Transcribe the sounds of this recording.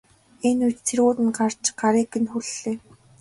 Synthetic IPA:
enujt͡ɕt͡sʰeruːt̪ɘ̆nɢar̥t͡ɕɢaɾiːkːɘ̆nxuɮeː

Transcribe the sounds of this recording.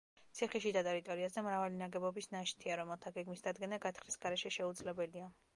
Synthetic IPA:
t̪sʰiχɛʃid̪at̪ʼɛɾit̪ʼɔɾiazd̪amɾavalinaɡɛbɔbisnaʃt̪ʰiaɾɔmɛlˠt̪ʰaɡɛɡmisd̪ad̪ɡɛnaɡat̪ʰχɾisɡ̥aɾɛʃɛʃɛud̪zlɛbɛlia

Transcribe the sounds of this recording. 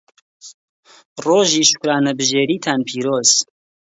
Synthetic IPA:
roːʒiːʃʊ̥kɾaːnɐbɨʒeːɾiːt̪ʰaːnpʰiːɾoːz̥

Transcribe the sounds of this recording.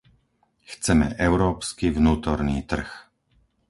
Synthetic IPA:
xt͡sɛmɛ̰ʔɛʊɾɔːpskivnuːt̪ɔɾniːt̪r̩x

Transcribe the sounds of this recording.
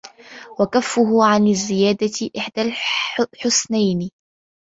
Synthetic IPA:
wakafːʊɦʊʕanɪzːɪjaːd̪aʔɪħd̪alħʊsnajn

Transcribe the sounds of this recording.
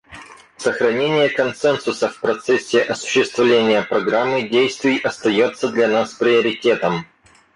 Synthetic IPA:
səxɾɐnʲenʲɪjəkɐnsɛnsʊsəfpɾɐt̪sɛsʲːɪʔɐsʊ̥ɕːɪst̪vlʲenʲɪjəpɾɐɡɾamːɨdʲejst̪vʲɪjʔɐst̪ɐjot̪sːəd̪lʲɐnaspɾʲɪəɾʲɪtʲe̞t̪əm

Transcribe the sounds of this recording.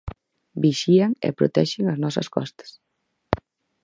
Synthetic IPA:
biʃiaŋḛpɾot̪ɛʃɪŋɐznɔsɐ̰skɔ̰st̪ɐ̥s

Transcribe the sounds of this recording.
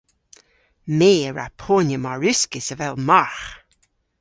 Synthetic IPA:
meːəɹa̰pʰoːnəmaɹʉskɪsəvɛlmaɹx

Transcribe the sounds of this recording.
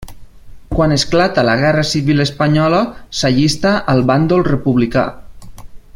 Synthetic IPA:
kwanesklat̪alaɣɛrəsiβiləspaɲɔləsaʎist̪aʔəlˠβand̪olˠrəpuβlika̰

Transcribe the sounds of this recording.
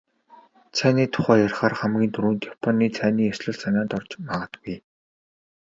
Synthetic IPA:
t͡sʰæːniːt̪ʰʊ̥χæːjarχaːrχamɡʲiːnt̪ʰuɾuːnt̪japʰɔnːiːt͡sʰæːniːjasɮɞ̆ɮsanʲaːnt̪ɔrt͡ɕmaʁə̆t̪ɡuj

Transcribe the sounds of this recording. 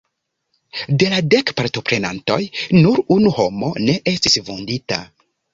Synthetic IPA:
de̞lade̞kpaɾto̞pɾe̞na̰nto̞̰jnuɾunuho̞mo̞ne̞ʔe̞stisvondita̰

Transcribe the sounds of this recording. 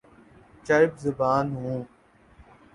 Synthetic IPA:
t͡ʃaɪbzʊbaːnɦũː

